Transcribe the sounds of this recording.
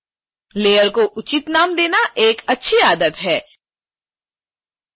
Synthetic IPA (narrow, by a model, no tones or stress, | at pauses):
leːjəɾkoʔʊt͡ʃit̪naːmd̪eːnaʔeːkɐtːʃʰiaːd̪ət̪ɦɛː